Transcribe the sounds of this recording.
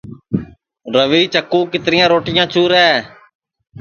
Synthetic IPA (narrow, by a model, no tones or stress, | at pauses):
ɾəʋiːt͡ʃəkːũːkɪt̪ɾɪjãːɾoːʈɪjãːt͡ʃʰuːɾɛː